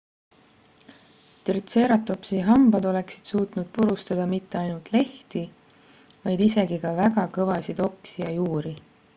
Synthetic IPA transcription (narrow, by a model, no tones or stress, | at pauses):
t̪rit̪se̞ːɾɑt̪ːˑo̞psiɦɑmbɑd̪o̞le̞ksid̪̥suːt̪nud̪̥̚puɾust̪ɑd̪̥ɑmit̪ˑːe̞ɑjnult̪ˑle̞ht̪i | vɑjd̪ise̞ɡikɑvæɡɑkɤ̞vɑsid̪̥o̞ksijɑjuːɾi